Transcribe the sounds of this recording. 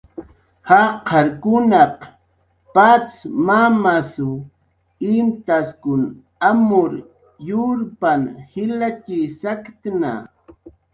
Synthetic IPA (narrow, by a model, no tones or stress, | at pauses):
haqʰɑɾkʊnɑq | pat͡smamasʊ | ɪmt̪askʊn | amʊɾ | jʊɾpanhɪlat͡ʃisakt̪na̰